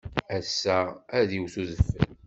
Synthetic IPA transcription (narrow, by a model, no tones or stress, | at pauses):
æsːææðiwθuðəfːə̰l